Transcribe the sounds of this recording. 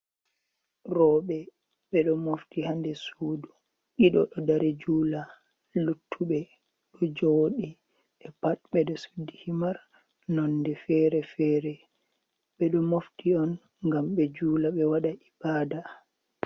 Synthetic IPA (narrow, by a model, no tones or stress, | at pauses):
ɾɔɓɛ | ɓɛɗɔmoftihandɛsuːdu | ʔiɗɔ̰ɗɔdaɾɛd͡ʒuːla | lutʰːuɓɛ | ɗɔd͡ʒoɗi | ɛpat̚ɓɛɗɔsudːihimaɾ | nɔnːdɛfɛɾɛfɛːɾɛ | ɓɛɗɔmoftiɔn | ŋɡamɓɛd͡ʒuːlaɓɛwaɗaʔibaːda